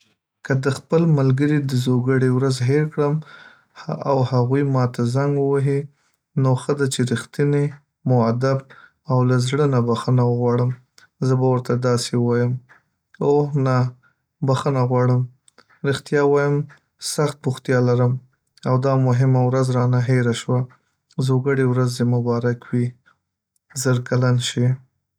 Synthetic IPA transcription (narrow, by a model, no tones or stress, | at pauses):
kad̪əxpəlmalɡəɾid̪əzoɡəɽewɾazɦeɾkɽəm | awhaɣujmɑt̪azaŋɡəwaɦi | noxəd̪at͡ʃeɾixt̪ine | mʊad̪ab̚ | awlazɽənabaxənawəɣwɑɽəm | zəbawəɾt̪ad̪ɑsewɑjəm | ohna | baxənaɣwɑɽəm | ɾɪxt̪jɑwɑjəm | saxt̪̚pʊxt̪jɑlaɾəm | awd̪ɑmʊɦɪmawɾazɾɑnaɦeɾaʃwa | zoɡəɽewɾazemʊbɑɾakwi | zəɾkalanʃi